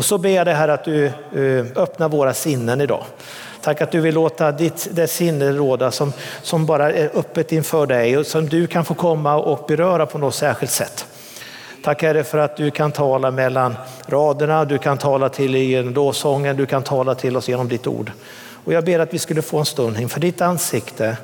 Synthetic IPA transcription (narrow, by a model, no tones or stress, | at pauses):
ɔsɔbeːjad̪ɛɦæːɾat̪̚d̪ɵ | œpnaɾvoːɾasɪnːənɪd̪ɑ̰ː | t̪ʰakːat̪̚d̪ɵvɪlːoːt̪ad̪ɪt̪d̪ɛsɪnːəɾoːd̪asɔmsɔmbɑːɾaæɾʔɵpːət̪ɪnfœːɖɛjsɔmd̪ɵkʰanfoːkʰɔmːaʔɔk̚bɛɾœːɾapʰɔnɔt̪sæːɧɪlt̪sɛ̰t̪ːʰ | akːæɖɛfœɾat̪̚d̪ɵkʰant̪ʰɑːlamɛlːanɾɑːd̪əɳad̪ɵkʰant̪ʰɑːlat̪ʰɪlɪjeːnɔmloːvsɔŋːənd̪ɵkʰant̪ʰɑːlat̪ʰɪlːɔsjeːnɔmd̪ɪt̪ːṵːɖ | ɔjɑːɡbeːɾat̪vɪskɵlːəfoːɛnst̪ɵnnɪŋfœɖɪt̪ansɪkt̪ʰə